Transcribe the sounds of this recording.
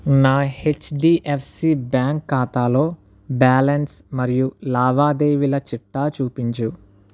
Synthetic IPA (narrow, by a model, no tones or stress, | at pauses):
naːhet͡ʃɖiːʔefʰsiːbaːŋkːaːt̪aːlo̞ː | baːlɐnsmɐɾijulaːʋaːd̪eːʋilɐt͡ʃiʈːaːt͡ʃuːpiɲt͡ʃu